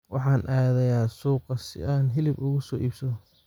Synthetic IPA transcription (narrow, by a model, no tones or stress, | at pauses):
wʔɑ̰ħɑːnʔaːðɛjaːsuːqɑsɪ̰aːnɦɪlɪbʊɣʊsɔːʔiːbsɐ